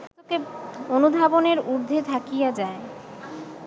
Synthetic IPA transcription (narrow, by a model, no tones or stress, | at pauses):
okeonud̪ʱaboneɾuɾd̪ʱet̪ʰakijad͡ʑae